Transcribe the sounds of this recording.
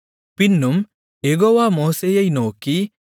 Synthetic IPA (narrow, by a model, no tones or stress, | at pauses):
pinːum | eɡowamoːsejɐjnoːki